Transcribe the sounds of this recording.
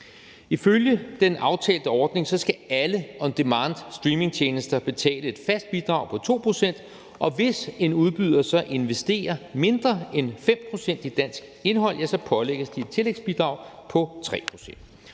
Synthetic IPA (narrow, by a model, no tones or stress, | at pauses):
iføljəd̥enʔɑ̈ʊt͡sʰɛ̰ːld̥əɒːd̥ne̝ŋsɒ̽sɡ̥ææləɒ̽nd̥emɑnd̥sd̥ʁiːme̝ŋt͡ɕʰeːnəsd̥ɐb̥e̝t͡sʰɛ̰ːləe̝d̥fæsd̥̚b̥id̥ʁɑ̈ʊpʰɒ̽t͡sʰo̝̰ːpʰʁo̝sen̰d̥ | ʔɒ̽ʋe̝se̝nuð̞ˠb̥yð̞ˠɐsɒ̽ʔe̝nʋesd̥e̝̰ːɐme̝nd̥ʁɐenfem̰pʰʁo̝sen̰d̥id̥æn̰sɡ̥e̝nɦɒ̽l̰jæsɒ̽pʰɒ̽leɡ̥əsd̥ie̥t͡sʰe̝leɡ̥sb̥id̥ʁɑ̈ʊ̰pʰɒ̽t͡sʰʁɛ̰ːpʰʁo̝sen̰d̥